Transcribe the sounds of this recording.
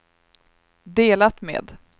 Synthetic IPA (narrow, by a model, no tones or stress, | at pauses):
d̪eːlat̪mḛːd̪